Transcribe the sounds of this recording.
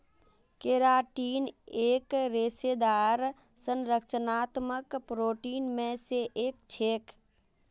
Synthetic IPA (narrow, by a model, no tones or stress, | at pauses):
keɾaʈiːneːkɾesed̪aɾ | sənɾəkt͡ʃənaːt̪məkpɾoːʈiːnmẽseʔeːkt͡ʃʰeːk